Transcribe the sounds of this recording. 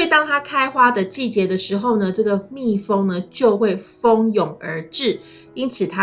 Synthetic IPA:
we˥˩ɪt̪ɑ˥ŋt̪ʰa˥kʰa˦˥ɪxwa˥d̪ə˨t͡ɕi˥˩t͡ɕjɛ˨˥˦d̪ə˧ʂɻ̩˧˥xo˥˩ʊnə˩ʈ͡ʂɤ˥˩ɡə˩mi˥˩fɤ˥ŋnə˨t͡ɕjo˥˧ʊxwe˥˩ɪfɤ˦ŋjʊ˨˩ŋə̰˧˥ʈ͡ʂɻ̩˥˩ | i˦˥nt͡s̩ʰ˨˩t̪ʰa˦

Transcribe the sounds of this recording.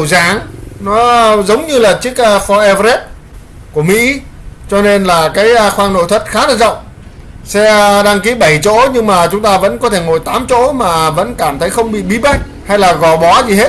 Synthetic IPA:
zaː˨˦ŋnɔ˨˦zə˨˦wŋ͡mɲɨ˧laː˨˩t͡ɕɨ˦˥ək̚ʔfɔ˧ʔɛ˧ve˦˥p̚ | ku˧˩əmḭ˧˥t͡ɕɔ˧ne˧nlaː˨˩kaː˨˦jxwaː˧ŋno̰˧˨jt̪ʰə˨˩t̚xaː˨˦naː˧˩zə̰˧˨wŋ͡m | sɛ˧ɗaː˧ŋki˨˦ɓə˧˩jt͡ɕo̰˧˥ɲɨ˧ŋmaː˨˩t͡ɕʊ˨˦ŋ͡mt̪aː˧və̰˧˥nkɔ˨˦t̪ʰe˧˩ŋo˨˩jt̪aː˨˦mt͡ɕo̰˧˥maː˨˩və̰˧˥nkaː˧˩mt̪ʰə˨˦jxə˧wŋ͡mɓḭ˧˨ɓi˨˦ɓa˦˥jk̟̚ | ha˧jlaː˨˩ɣɔ˨˩ɓɔ˨˦zi˨˩ɦe˦˥t̚

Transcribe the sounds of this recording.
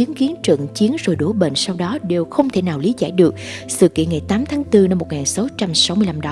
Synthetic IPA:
i˨˦ənki˨˦ənt͡ɕwə̰˧˨ŋt͡ɕi˨˦ənzo˨˩jɗo˧˩ɓḛ˧˨n̟sa˧wɗɔ˨˦ɗe˨˩wxə˧wŋ͡mt̪ʰe˧˩naː˨˩wli˨˦za̰ː˧˩jɗɨ˨˩ək̚sɨ̰˧˨kḭ˧˨ənŋa˨˩jt̪aː˨˦mt̪ʰaː˨˦ŋt̪ɨ˧na˧mːo˨˩t̚ŋaː˨˩nsa˨˦wt͡ɕa˧msa˨˦wmɨ˧əla˧mɗɔ˨˦

